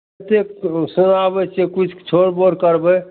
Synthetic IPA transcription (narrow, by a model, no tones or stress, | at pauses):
t̪eksunabət͡ʃekut͡ʃʰt͡ʃʰoɽboɾkəɾbə